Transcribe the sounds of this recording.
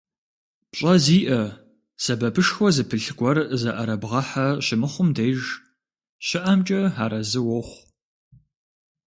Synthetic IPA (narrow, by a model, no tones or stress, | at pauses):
pɕʼɐziːʔɐ | sɐbɐpʰɨʂxʷɔzɨpʰɨɬɡʷɔrzɐʔɐɾɐbʁɐħɐɕɪmɨχʷʊmdejʒ | ɕɪʔɐmt͡ʃʼɐħaːɾɐzɨwɔχʷ